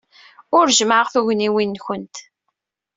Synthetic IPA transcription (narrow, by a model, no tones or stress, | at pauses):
ʊɾʒməʕəʁθuʝniwinːçənt̪